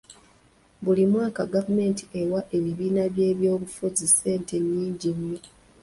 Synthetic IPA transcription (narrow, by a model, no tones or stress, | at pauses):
bulimwaːkaɡavume̞ːnti̥ʔe̞waʔe̞βiβiːnaβje̞ːβjo̞ːβufuzise̞ːnte̞ɲːiːɲɟimːi